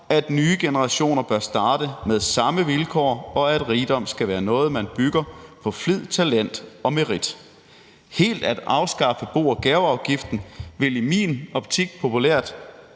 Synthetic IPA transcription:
æd̥nyːəɡ̥e̝nəʁɑ̈ɕo̝̰ːnɐb̥ɶɐsd̥ɑ̈ːd̥əmeðˠsɑ̈məʋilkʰɒ̰ːɒ̽æd̥ʁiːd̥ɒ̽m̰sɡ̥æʋæːɐnɔ̽ːð̞̩ˠmænb̥yɡ̥ɐpʰɒ̽flið̰ˠt͡sʰælen̰d̥ɒ̽meʁid̥ | he̝̰ːld̥æd̥ɑ̈ʊsɡ̥ɑ̈fəb̥o̝̰ːɐɡ̥æʊɑ̈ʊɡ̥ifd̥n̩ʋe̝limḭːnɒ̽b̥̚t͡sʰiɡ̥̚pʰo̝pʰulæɐ̰d̥

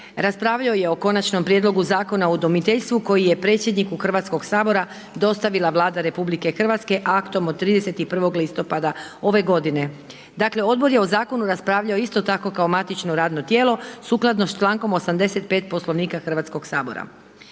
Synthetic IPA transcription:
ɾaspɾaːʋʎaoje̞o̞ko̞nat͡ʃno̞mpɾje̞d̪lo̞ɡuzaːko̞naod̪omit̪eʎʲst̪ʋuko̞jije̞pɾe̞ːt̪sje̞d̪nikuxr̩ʋat̪sko̞ɡsaːbo̞ɾa | d̪o̞st̪aʋilˠaʋlˠaːd̪aɾe̞publike̞xr̩ʋat̪ske̞ʔakt̪o̞mod̪t̪ːɾiːd̪ese̞t̪ipr̩ʋo̞ɡlist̪o̞pad̪ao̞ʋe̞ɡo̞d̪ine̞ | d̪akle̞o̞d̪̚bo̞ɾjeo̞zaːko̞nuɾaspɾaːʋʎao̞ist̪o̞t̪ako̞kaomat̪it͡ʃnoɾaːd̪no̞t̪je̞ːlo̞suklˠad̪nost͡ʃlaːŋko̞mosamd̪e̞se̞t̪pe̞ːt̪̚po̞slˠo̞ʋniːkaxr̩ʋat̪sko̞ɡsaːbo̞̰ɾa̰

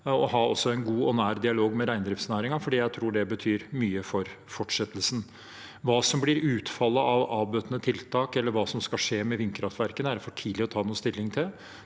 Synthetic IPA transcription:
ɔɦɑːɔsːɔɛɪnɡuːɔnæːɾd̪ɪɑloːɡmɛɾæɪnd̪ɾɪft̪snæːɾɪŋɑfɔɖiːjæɪt̪ʰɾuːɖɛbət̪ʰyːɾmyːəfɔɾ | fɔʈʂɛt̪ːəlsn̩ | ʋɑːsɔmblɪɾʉːt̪fɑlːəʔɑʋɑːbøːt̪nət̪ʰɪlt̪ʰɑːkɛlːəɾʋɑːsɔmskɑlʂeːmɛʋɪnkʰɾɑft̪ʋæɾkənæɾfɔʈʰiːd̪lɪɔt̪ʰɑːnuːəst̪ɪlːɪŋt̪ʰɪl

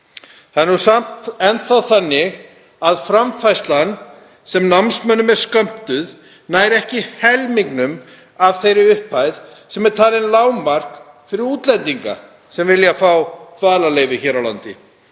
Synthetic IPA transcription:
θanːusam̥t̪ɛnt̪θaðθanːɪɣ | aðfɾamfajst̪lan | sɛmnamsmœnʏmɛɾ̥skœm̥t̪ʏð | naːjɾɛhcɪhɛlmiŋknʏm | avθejɾɪʏhpʰajð | sɛmɛɾ̥t̪ʰaːlɪnlaːwmar̥k | fɪɾɪɾuːt̪lɛnt̪iŋka̰ | sɛmvɪljafawfaːlaleːjvɪçɛːɾawla̰nt̪ɪ

